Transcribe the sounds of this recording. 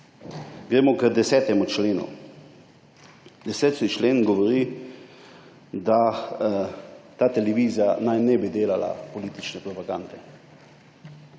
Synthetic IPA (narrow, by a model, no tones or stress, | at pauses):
ɡɾeːmɔkəd̪ɛsɛːt̪ɛmut͡ʃleːnṵ | d̪ɛsɛːt̪it͡ʃleːnɡɔʋɔɾi | d̪a | t̪aːt̪ɛlɛʋiːzijanajnɛbid̪eːlala̰pɔliːt̪it͡ʃnɛpɾɔpaɡand̪ɛ